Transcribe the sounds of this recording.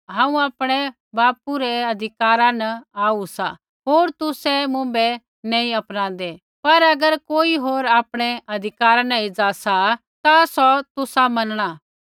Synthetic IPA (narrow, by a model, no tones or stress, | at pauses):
ɦãːũaːpɽ̃ɛ | baːpuɾɛɐd̪ʱɪkaːɾãnɐaːusa | ɦoːɾt̪ʊsɛmʊ̃bɛ | nɛ̃ːĩɐpnãːnd̪ɛ | pɐɾɐɡəɾkoːiɦoːɾaːpɽ̃ɛʔɐd̪ʱɪkaːɾãnɐɪd͡zasa | t̪asɔt̪ʊsamɐnɽ̃a